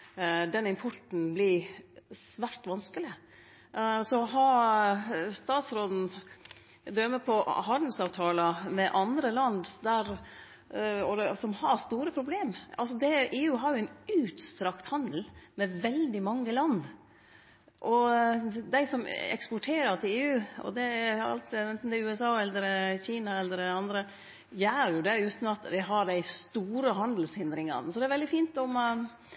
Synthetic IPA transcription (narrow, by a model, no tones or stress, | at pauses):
d̪ɛnːɪmpʰɔʈn̩blɪɾsʋæɾʈʋɑnskəlɪ | sɔɦɑ | st̪ɑːt̪sɾoːd̪n̩ | d̪ɾœmːəpʰɔhɑnd̪əsɑːʋt̪ʰɑːləmɛʔɑnd̪ɾəlɑnd̪d̪æɾ | ɔd̪ɛsɔmhɑɾst̪uːɾəpʰɾʊbleːmɑ̰lsɔd̪ɛʔeːʉːɦɑɾjʊɛɪnʉːt̪st̪ɾɑkt̪hɑnd̪l̩mɛʋɛld̪ɪmɑŋːəlɑnd̪ | ʔɔ | d̪æɪsɔmɛ̰kspɔʈʰeːɾəɾt̪ɪleːʉːɔ̰d̪ɛæɑ̰lt̪ɛnt̪n̩d̪ɛʉːɛsɑːɛlːəɾɛçiːnɑɛlːəɾɛɑnd̪ɾə | jæːɾjʊd̪ɛʉːt̪nɑt̪d̪æɪɦɑɖ̪æɪst̪uːɾəɦɑnd̪l̩shɪnd̪ɾɪŋɑ̰nəsɔd̪ɛæɾʋɛld̪ɪfiːnt̪ɔm